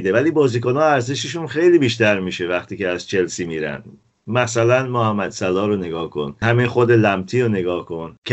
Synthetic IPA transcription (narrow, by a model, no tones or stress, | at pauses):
d̪evæliːbɒːziːkonɒːæɾzeʃeʃunxe̞jliːbiːʃt̪æɾmiːʃevæxt̪ʰiːceæzt͡ʃʰe̞lsiːmiːɾæ̰nd̪ | mæsælænmohæmːæd̪sælɒːɾone̞ɡɒːhkʰo̞̰nhæminxod̪elæmt̪ʰiːɾoneɡɒːhkʰo̞ncʰ